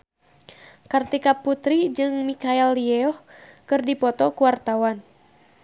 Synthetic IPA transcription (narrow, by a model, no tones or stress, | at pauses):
kart̪ikaput̪ɾid͡ʒɨŋmikaɛlːiɛɔhkɨrdipɔt̪ɔkuwart̪awan